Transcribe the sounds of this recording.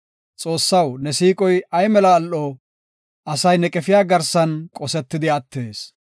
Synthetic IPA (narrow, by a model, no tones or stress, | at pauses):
t͡sʼo̞ːsːɐwnɛsiːkʼɔjɐjmɛlɐːlːoː | ʔɐsɐjnɛkʼɛfɪjaːɡɐɾsɐnkʼɔsɛt̪ːɪd̪ɪɐt̪ːe̞ːs